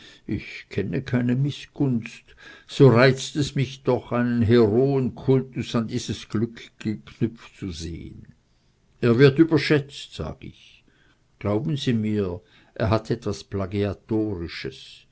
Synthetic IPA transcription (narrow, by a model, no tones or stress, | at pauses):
ʔɪçkʰɛnəkʰaɪnəmɪsɡ̥ʊnst | z̥oːʁaɪt͡stɛsmɪçd̥ɔχaɪnənɦeʁoːənkʰʊltʊsandiːz̥əsɡ̥lʏkɡ̥əkʰnœp͡ft͡suzḛːə̰n | ʔeːɐvɪɐtyːbɐʃɛt͡stz̥a̰ːɡ̥əɪ̰ç | ɡ̥laʊbn̩ziːmiːɐ | ʔeːɐɦatɛtv̥asplaɡiatoːʁɪʃəs